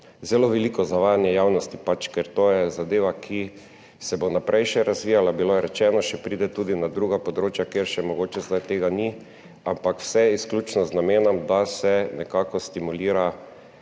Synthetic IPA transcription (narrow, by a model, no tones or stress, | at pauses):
zɛloʋɛlikɔzaʋaːjanjɛjawnɔst̪ipat͡ʃkɛɾt̪oːjɛzad̪eːʋakʰi | sɛbonapɾʔɛjʃɛɾazʋijalabiloɾɛt͡ʃɛnɔʃɛpɾid̪ɛt̪uːd̪inad̪ɾuːɡapɔd̪ɾoːt͡ʃjakeɾʃɛmɔɡoːt͡ʃɛzd̪ajt̪eːɡani | ampakw̥sɛiskljut͡ʃnɔznameːnɔmd̪asɛnɛkaːkɔst̪imuliːɾa